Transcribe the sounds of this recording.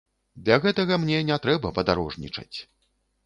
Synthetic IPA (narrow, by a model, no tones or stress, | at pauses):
d̪lʲɐɣɛt̪ɐɣɐmnʲɛnʲɛt̪ɾɛbɐpɐd̪aɾɔʐnʲḭt͡ʂɐ̰t͡sʲ